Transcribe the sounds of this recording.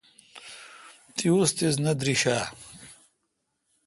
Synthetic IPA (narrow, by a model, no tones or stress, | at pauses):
t̪ʰiust̪iznɐd̪ɾiɕaː